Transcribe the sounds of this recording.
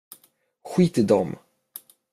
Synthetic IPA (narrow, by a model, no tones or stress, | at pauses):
ɧiːt̪əd̪ɔ̰m